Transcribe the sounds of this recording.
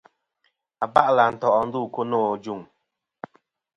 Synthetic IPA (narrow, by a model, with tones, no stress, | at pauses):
a˨ba˦ʔla˨n̩˨tɔ˨ʔɔ˦n̩˦du˦˨ko˦nɔ˦˨d͡ʒu˦˨ŋ